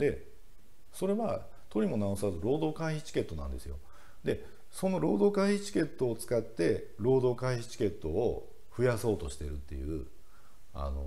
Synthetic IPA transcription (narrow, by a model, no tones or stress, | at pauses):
d̪e̞ | so̞ɾe̞βa | t̪o̞ɾʲimo̞naosazɨɾo̞ːd̪o̞ːkaiçi̥t͡ɕi̥ke̞t̪ːo̞nã̰nd̪e̞̰sɨjo̞ | d̪e̞ | so̞no̞ɾo̞ːd̪o̞ːkaiçit͡ɕi̥ke̞t̪ːo̞ːt͡sɨ̥kat̪ːe̞ | ɾo̞ːd̪o̞ːkaiçi̥t͡ɕi̥ke̞t̪ːo̞ː | ɸɯ̟jaso̞ːt̪o̞ɕi̥t̪e̞ɾɯ̟t̪ːe̞̰jɯ̟ | a̰no̞̰